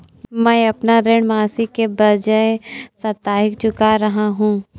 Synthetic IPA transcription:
mɛjɐpnaɾeɳ̃maːsikebɐd͡ʒəesɐt̪ːaːɦɪk̚t͡ʃʊkaɾɐɦaɦũː

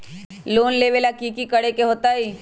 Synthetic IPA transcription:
loːnleʋelakiːkikɐɽekeɦoːt̪aiː

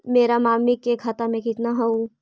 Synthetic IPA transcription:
meːɾamaːmikekʰat̪amẽkɪt̪naɦoũ

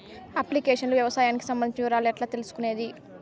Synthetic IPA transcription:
ɐplikeːʂɐnluʋjɐʋɐsaːjaːniki̥sɐmbɐnd̪it͡ʃiɾaːlɛʈlaːt̪e̞lusu̥kune̞ːd̪i

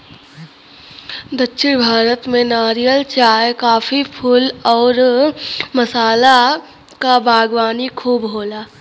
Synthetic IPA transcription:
d̪əkːʃʰɪɽbʱaːɾət̪mẽnaːɾijəlt͡ʃaːjkaːfipʰʊlɔːɾ | məsaːla | kabʱaːɡʋaːnikʰuːbɦoːlaː

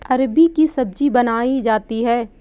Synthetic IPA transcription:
ɐɾbikisɐb̚d͡ʒibɐnaːid͡ʒaːt̪iɦɛː

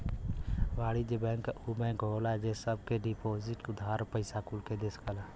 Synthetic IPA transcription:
ʋaːɽid͡ʒebɛ̃ːŋkubɛ̃ːŋkɦoːlad͡ʒesəb̚keɖipoːzɪʈʊd̪ʱaːɾpəɪsakulked̪eskəla

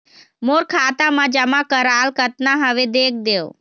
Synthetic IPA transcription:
moːɾkʰaːt̪amãd͡ʒəmakəɾaːlkət̪naɦəʋed̪eːk̚ʰd̪eːo

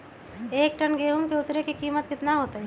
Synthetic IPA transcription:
eːk̚ʈənɡeːɦumkeʊt̪ɾekikiːmət̪kɪt̪naɦoːt̪eɦɛ

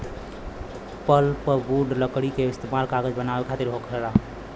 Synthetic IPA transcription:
pəlpəbuɖləkɽikeɪst̪emalkaɡəd͡ʒbənabekʰat̪iɾɦokʰəɾa

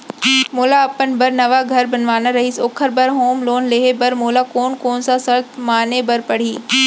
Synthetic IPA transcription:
moːlaɐpənbɐɾnɐʋaɡʱɐɾbɐnʋaːnaɾɐɦiːsoːkʰəɾbɐɾɦoːmloːnleɦebɐɾmoːlakoːnkoːnsãsɐɾt̪ʰmaːnebɐɾpɐɽ̤iː

